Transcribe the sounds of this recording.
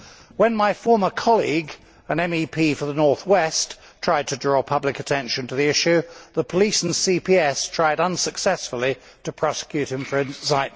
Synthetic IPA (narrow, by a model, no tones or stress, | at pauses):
wə̃nmaɪfɔɹmə˞kʰɑlˠḭɡ | ə̃nɛ̃mipʰifə˞ðənɔɹθwɛs | tʰɹ̥aɪd̚tʰɨdɹɔpʰʌblɨkɨtʰɛ̃nʃɨ̃ntʰəðiɪʃʉðəpʰəlisn̩sipʰiɛstʰɹ̥aɪɾʌ̃nsəksɛsflˠi | ɾɨpʰɹ̥ɑsɪ̥kʰj̥ʉt̚hɨ̃ɱfə˞ɨ̃nsaɪ